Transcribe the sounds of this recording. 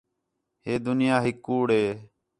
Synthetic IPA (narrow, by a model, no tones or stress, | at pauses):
heːd̪ʊnɪjaːɦɪkːuːɽɦeː